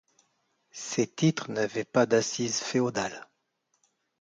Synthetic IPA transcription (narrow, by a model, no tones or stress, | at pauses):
set̪it̪χnavɛpad̪asizfeod̪al